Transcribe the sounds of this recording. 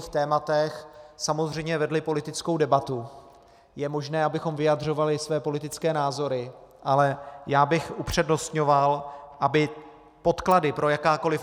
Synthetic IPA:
xt̪ɛːmat̪ɛxsamo̞zr̝ɛjmɲɛvɛdlɪpo̞lɪt̪ɪt͡skowdɛbat̪u | jɛmo̞ʒnɛːʔabɪxo̞mvɪjadr̝o̞valɪsvɛːpo̞lɪt̪ɪt͡skɛːnaːzo̞ɾɪʔalɛjaːbɪxʔupr̝̥ɛdno̞st̪ɲo̞valʔabɪ | po̞t̪kladɪpɾo̞jakaːko̞lɪf

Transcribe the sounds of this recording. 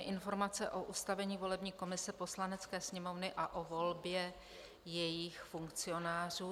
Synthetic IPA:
ɛʔɪnfo̞ɾmat͡sɛʔo̞ʔust̪avɛɲiːvo̞lɛbɲiːko̞mɪsɛpo̞slanɛt͡skɛːsɲɛmo̞vnɪʔaʔo̞vo̞lbjɛ | jɛjɪxfuŋkt͡sɪo̞naːr̝uː

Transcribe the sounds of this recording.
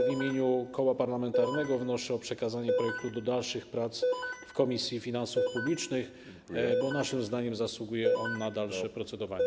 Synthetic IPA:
vʲimʲjeɲukɔwapaɾlamɛnt̪aɾnɛɡɔvnɔʂɛɔpʂɛkazaɲɛpɾɔjɛk̚t̪ud̪ɔd̪alʂɘxpɾat̪sfkɔmʲisʲjifʲinansufpublʲit͡ʂnɘx | bɔnaʂɘmzd̪aɲɛmzaswuɡujɛʔɔnːad̪alʂɛpɾɔt̪sɛd̪ɔvaɲɛ

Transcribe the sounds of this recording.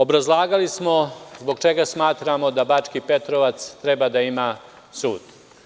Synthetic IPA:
o̞bɾazlˠaːɡalismo̞zboɡt͡ʃe̞ɡasmaːt̪ɾamo̞d̪abat͡ʂkipet̪ɾoʋat̪st̪ɾebad̪aima | suːd̪

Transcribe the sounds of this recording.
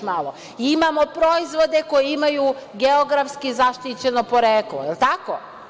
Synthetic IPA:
malˠo | iimamo̞pɾo̞izʋo̞d̪e̞ko̞jeimajuɡeoɡɾafskizaʃt̪it͡ɕe̞nopo̞ɾeːklojelˠt̪ako̰

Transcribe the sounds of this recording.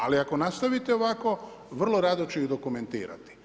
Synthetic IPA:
aliako̞nast̪aʋit̪eoʋako̞ | ʋr̩lˠoɾaːd̪ot͡ʃeid̪o̞kume̞nt̪ḭːɾa̰t̪i̥

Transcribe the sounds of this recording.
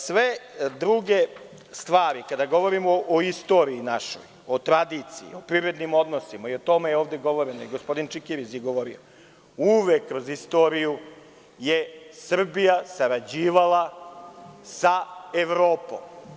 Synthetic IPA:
sʋe̞d̪ɾuɡe̞ | st̪ʋaːɾikad̪aɡo̞ʋo̞ɾimoʔːist̪o̞ːɾiinaʃo̰j | ot̪ɾad̪iːt̪sijḭopɾiɾe̞d̪nimo̞d̪nosimaiot̪o̞mejeoːʋd̪e̞ɡo̞ʋo̞ɾenojiɡospo̞d̪int͡ʃikiɾisjeɡo̞ʋo̞ɾḭo̰ | uʋekːɾozist̪o̞ɾiju | jesr̩bijasaɾad͡ʑiːʋalˠa | saeʋɾo̞ːpo̰m

